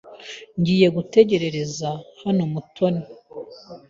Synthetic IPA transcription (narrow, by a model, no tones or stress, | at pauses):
ɲɟiːje̞ɡute̞ɟe̞ɾe̞ɾe̞zahanomutʰo̞ne